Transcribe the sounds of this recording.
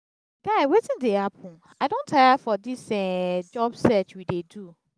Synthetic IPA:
ɡ̥aɪwetĩndehapʰũn | aɪdõntʰajafɔdisɛd͡ʒɔbsɛt͡ʃwidedu

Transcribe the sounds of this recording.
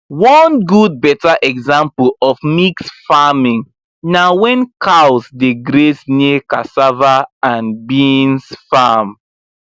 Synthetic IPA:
wɔ̃nɡud̚bɛtaʔɛɡzãmplɔfmiksfamĩŋ | nawɛ̃nkʰawsdeɡɾesneka̰savaãnbĩnsfam

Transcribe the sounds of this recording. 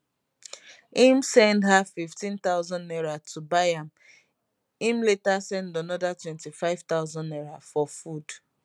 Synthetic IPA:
ĩmsɛ̃ndhafiftĩnt̪aʊzɔ̃ndɛɹatʰubajãm | ĩmletasɛ̃ndanɔdatwɛ̃ntifaɪv̥t̪aʊzɔ̃nɛɹafɔfud̥

